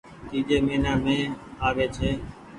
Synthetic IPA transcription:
t̪iːd͡ʒeːmeːnaːmẽːaːʋeːt͡ʃʰeː

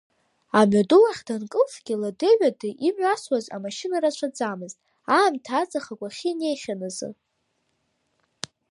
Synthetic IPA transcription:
amɥaduwaχʲdankʼɨfɡ̥ʲɪladɨʕʷᶣadɨʔimɥaswaza̰maʃinaɾat͡ʃʷʰad͡zamɨztʼ | aːmtʰaːt͡sʼaχaɡʷaχʲine̞jχʲanazɨ̰

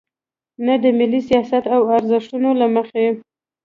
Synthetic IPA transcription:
nad̪əmɪlːisijɑsat̪awaɾzɪʂʈunolaməxe

